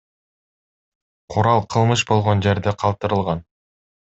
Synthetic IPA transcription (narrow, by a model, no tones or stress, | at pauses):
qʰuɾɑlˠqʰɯlˠmɯʃbo̞lˠʁo̞nd͡ʒeɾd̪eqʰɑlˠt̪ɯɾɯlˠʁɑn